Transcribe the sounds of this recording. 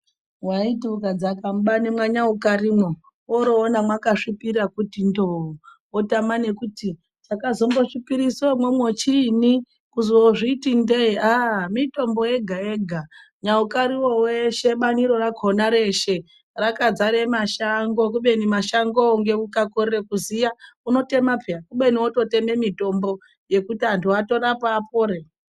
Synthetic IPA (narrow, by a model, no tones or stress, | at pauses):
waitiukad͡zakamuɓanemwaɲaukarimo | woɾoːnamwakaʂipirakutindou | otamane̞kuti | t͡ʃakazo̞mboʂipiɾisomwomwot͡ʃini | kuzuwoʐiːtindeiamito̞mbo̞e̞ɡʱaeːɡʱa | ɲaukaɾiwoweʃe̞ɓaniɾo̞raɡʱonaɾe̞ʃe̞ | rakad͡zaɾemaʃaŋɡo̞k̬uɓe̞nimaʃaŋɡouŋɡe̞ukakorerekuzijauno̞te̞mapʰeakuɓe̞niwoto̞te̞me̞mito̞mbo̞ | je̞kutiantʰuato̞rapaːpoːɾe